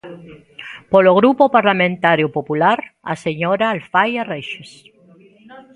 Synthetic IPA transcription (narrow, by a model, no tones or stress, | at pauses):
poloɣɾupopaɾlamẽnt̪aɾjopopulaɾa̰seɲoɾaːlfajareʃes